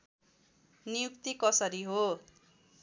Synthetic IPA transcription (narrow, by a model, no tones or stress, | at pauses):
nijukt̪ikʌsʌɾiɦo